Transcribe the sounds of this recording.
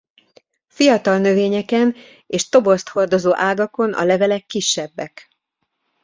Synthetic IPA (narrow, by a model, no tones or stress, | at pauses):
fijɒt̪ɒlnø̞veːɲɛkɛn | eːʃt̪o̞bo̞st̪ho̞rd̪o̞zoːʔaːɡɒko̞nʔɒ̰lɛvɛlɛkːiʃːɛbːɛk